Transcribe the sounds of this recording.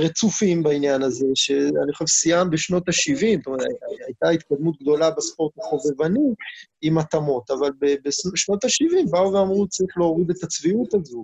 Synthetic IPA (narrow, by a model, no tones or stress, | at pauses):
ʁet͡sufimbainjanaze̞ʃe̞a̰nio̞ʃevsijambeʃno̞t̪aʃivimtomeeaajt̪ait̪kad̪mut̪̚ɡd̪o̞labespo̞ʁt̪aχo̞ve̞vaniimat̪amo̞t̪avalbebeʃnʃno̞t̪aʃivimbauveamʁut͡saʁiχleoʁid̪e̞t̪at͡sviut̪azo